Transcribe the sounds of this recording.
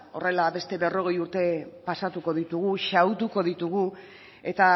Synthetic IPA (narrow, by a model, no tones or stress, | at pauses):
o̞re̞laβe̞st̪e̞βe̞ro̞ɣ̞e̞juɾt̪e̞pasat̪uko̞ð̞it̪uɣ̞uʃawt̪uko̞ð̞it̪uɣ̞u | e̞t̪a